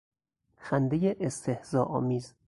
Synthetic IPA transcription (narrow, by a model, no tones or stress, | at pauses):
xænd̪ejeʔest̪ʰehz̥ɒːʔɒːmiːz